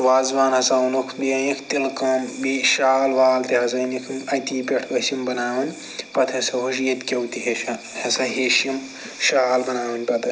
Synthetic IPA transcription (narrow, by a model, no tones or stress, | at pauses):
ʋaːzʋaːnɦɐsaunukʰbiɐnikʰt̪ilkɐːmbiʃaːlʋaːlt̪iɦɐsɐnikʰmɐt̪iːpʲeʈʰʋɐsimbɐnaːʋɐnʲ | pɐt̪ʰɐsɐɦoʃ̬jɐt̪ʲkʲɐwt̪iɦeʃɐ | hɐsɐɦeʃim | ʃaːlbɐnaːʋɐnʲpɐt̪ɐ